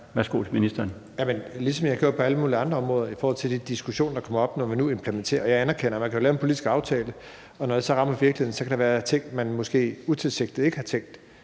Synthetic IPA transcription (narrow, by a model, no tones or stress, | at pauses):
ʋæɐsɡ̥o̝̰ːt͡sʰeminisd̥ɐːn | jæmenlisɒ̽mjɑhɡ̥jo̝ɐ̰pʰɒ̽æləmuːliɑ̈nd̥ʁɐɒmʁɔ̽ːðˠɐifɒɔːhɒ̽l̰t͡sʰe̝d̥id̥isɡ̥uɕo̝̰ːnɐd̥ɑ̈kʰɒ̽mɐɒ̽b̥nɒmænue̝mpʰlement͡sʰe̝̰ːɐjɑ̈ænæɐkʰen̰ɐmænkʰæjo̝lɛːʊenpʰo̝lidisɡ̥ɑ̈ʊt͡sʰɛːlə | ɒ̽nɒd̥esɒ̽ʁɑ̈mɐʋiɐɡ̥lihe̝ð̰ˠn̩sɒ̽kʰæɾ̥ɑ̈ʋæːɐt͡sʰe̝ŋ̰d̥mænmɒ̽sɡ̥e̝̰ːut͡sʰe̝lse̝ɡ̥d̥ie̝ɡ̥əhɑ̈t͡sʰeŋ̰d̥